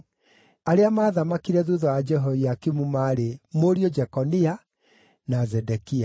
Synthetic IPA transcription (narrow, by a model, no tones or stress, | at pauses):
aɾeamaːðamakiɾɛðuðɔad͡ʒɛɦoiakimumaɾemoɾiod͡ʒɛkɔnia | nazɛdɛkia